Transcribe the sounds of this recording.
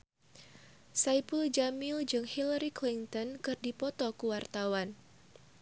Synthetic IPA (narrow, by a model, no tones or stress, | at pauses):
sajpuld͡ʒamild͡ʒɨŋhilaɾiklint̪ɔnkɨrdipɔt̪ɔkuwart̪awan